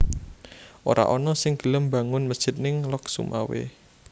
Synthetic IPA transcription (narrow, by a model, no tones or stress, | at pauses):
ʔo̰ɾa̰ʔɔnɔsɪŋɡ̥ə̤ləmba̤ŋʊnməd̥ʒ̥ɪ̤t̪̚nɪŋlɔksṵmʔa̰wḛ